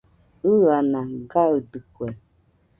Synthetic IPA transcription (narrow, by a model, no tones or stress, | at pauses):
iɣanaɡaədɨkwɛ